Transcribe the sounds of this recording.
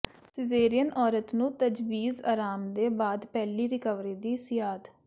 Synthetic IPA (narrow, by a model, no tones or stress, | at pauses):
sɪzeːɾɪjənʔɔːɾət̪nũːt̪əd͡ʒʋiːza̰ːɾaːmd̪eːbaːd̪pɛːliːɾɪkəʋɾiːd̪iːsɪjaːd̪